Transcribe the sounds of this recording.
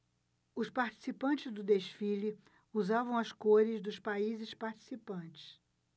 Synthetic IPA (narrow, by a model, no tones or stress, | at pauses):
ʊspaɾt͡ʃi̥sipɐ̃nt͡ʃɪzd̪ʊd̪eʃfilɪ | uzavɐ̃w̃ɐskoɾɪzd̪ʊspaizɪspaɾt͡ʃi̥sipɐ̃t͡ʃɪ̥s